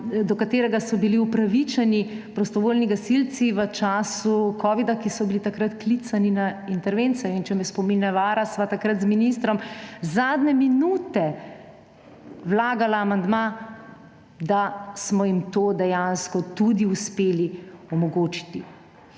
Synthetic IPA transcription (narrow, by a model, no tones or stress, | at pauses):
d̪ɔkat̪eːɾɛɡasɔbiliupɾaʋit͡ʃɛnipɾɔst̪ɔʋoːlniɡasilt̪siʋət͡ʃaːsukʰɔːʋid̪akisɔbilit̪akɾat̪klit̪saninaint̪ɛɾʋent̪sɛjɔint͡ʃɛmjɛspɔminɛʋaːɾasʋat̪akɾat̪zminist̪ɾɔmzad̪nɛminuːt̪ɛ | wlaːɡalaːmand̪ma | d̪asmɔjimt̪oːd̪ɛjanskɔt̪ud̪iuspeːliɔmɔɡoːt͡ʃi̥t̪i